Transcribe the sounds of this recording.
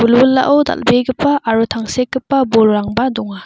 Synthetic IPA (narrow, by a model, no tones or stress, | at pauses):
bulbulːa̰ʔɔwd̪a̰lbeɡɯpaʔːɾut̪ʰaŋsek̚ːɯpːabolɾaŋbadɔŋa